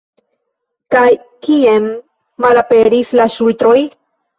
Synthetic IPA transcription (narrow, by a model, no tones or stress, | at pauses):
kaj | kiemː | alapeɾislaʃult̪ɾoj